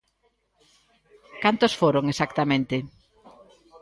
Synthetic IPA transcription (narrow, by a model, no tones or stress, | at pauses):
kant̪osfoɾoŋesakt̪amẽnt̪ɪ